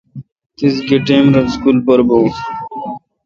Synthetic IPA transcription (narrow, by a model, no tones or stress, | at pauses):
t̪ɪsɡiʈẽːmɾɐskulpɐɾboː